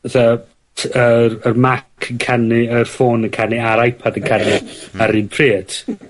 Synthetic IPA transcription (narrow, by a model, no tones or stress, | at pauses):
ðə | tʰərərmakʰəŋkʰanɨərfoːnəŋkʰanɨaɾajpʰadəŋkʰanɨaɾiːnpʰriːtʰ